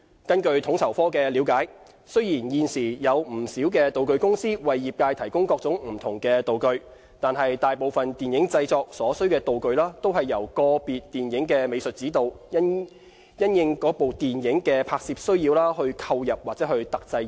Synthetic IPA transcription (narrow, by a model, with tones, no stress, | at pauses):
kɐ˥nkɵ˧ɥt̪ʰʊ˨˥ŋtʰɐ˨˩wfɔː˥kɛː˧liː˨˧˥wkaː˨˥j | sɵ˥ɥjiː˨˩njiː˨˧nsiː˨˩jɐ˨˧wm̩˨˩siː˨˥wkɛː˧t̪o˨wkɵ˧ɥkʊ˥ŋsiː˥wɐ˨jːiː˨p̚kaː˧jt̪ʰɐ˨˩jkʊ˥ŋkɔː˧k̚t͡sʊ˨˥ŋm̩˨˩t̪ʰʊ˨˩ŋkɛː˧t̪o˨wkɵ˧ɥ | t̪aː˨nɦɐ˨jt̪aː˨jpo˨wfɐ˨nt̪iː˨njɪ˨˥ŋt͡sɐ˧jt͡sɔː˧k̚sɔː˨˥sɵ˥ɥkɛː˧t̪o˨wkɵ˧ɥlaː˥t̪o˥wɦɐ˨jːɐ˨˩wkɔː˧piː˨tt̪ːiː˨njɪ˨˥ŋkɛː˧me˨˧sɵ˨t̚t͡siː˨˥t̪o˨w | jɐ˥njɪ˨˧ŋkɔː˨˥po˨wt̪iː˨˩njɪ˨˥ŋkɛː˧pʰaː˧k̚siː˧p̚sɵ˥ɥjiː˧wlaː˥ɦɵ˧ɥkʰɐ˧wjɐ˨p̚waː˨˩t͡sɛː˨˥hɵ˧ɥt̪ɐ˨k̚t͡sɐ˧j